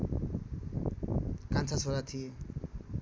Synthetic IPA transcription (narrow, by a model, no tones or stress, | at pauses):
kant͡sʰasʰolat̪ʰije